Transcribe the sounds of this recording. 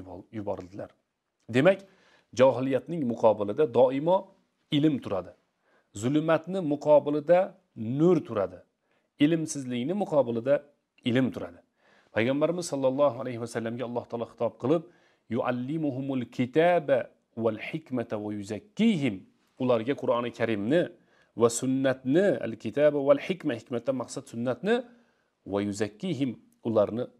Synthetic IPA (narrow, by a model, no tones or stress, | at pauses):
jʊbɑɾɨlˠd̪ɪla̰ɾ | d̪emɛkʲ | d͡ʒɒːɦɪlijat̪nɪŋmʊqʰɑːbɪlˠɪd̪ad̪ɒɪmɑ | ɪlɪmt̪ʰʊɾad̪ɪ | zʊlmat̪nɪmʊqʰɑːbɪlˠɪd̪a | nɵɾt̪ʰʊɾad̪ɪ | ɪlɪmsɪzlɪkʲnɪmʊqʰɑːbɪlˠɨd̪a | ɪlɪmt̪ʰʊɾad̪ɪ | pʰæjʁɑmbæɾɪmɪzsɑlˠːɑlˠːɑːɦualajhɪwasalːamɡʲaɒlˠːɑht̪ʰɑːlˠɑχɨ̥t̪ʰɑp̚qʰɨlˠɪp̚ | jʊʔa̰lːɪmʊɦʊmʊlkʲʰɪt̪ʰaba | walħɪkʲmat̪ʰawajʊzakʲːiɦɪm | ʊlˠaɾɡʲaqʰʊɾɑnɪkʲʰaɾɪmnɪ | wasʊnːat̪nɪa̰lkʲʰɪt̪ʰabawalħɪkʲmahɪkʲmat̪ːamɑqsat̪sʊnːat̪nɪ | wajʊzakʲːiɦɪm | ʊlˠaɾnɪ